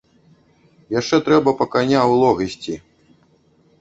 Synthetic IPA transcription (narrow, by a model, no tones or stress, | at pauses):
jaʂt͡ʂɛt̪ɾɛbɐpɐkanʲawlˠɔɣɐsʲt͡sʲi